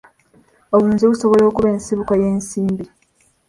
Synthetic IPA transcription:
oβuːnziβusoβo̞lo̞ːkuβe̞ːnsiβukajeːnsiːmbi

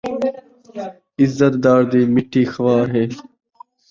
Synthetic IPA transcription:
ɪzːət̪̚d̪aːɾd̪iːmɪʈʰːiːxɐʋaːɦeː

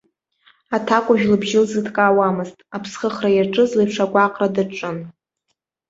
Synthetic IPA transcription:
atʰakʷʼʊʒᶣlɨbʒɪlzɨdʰkʼaːwamɨztʼapʰsχəχrajaʈ͡ʂʼɨzlejpʰʂakʷʼaqʼradɨʈ͡ʂʼɨn

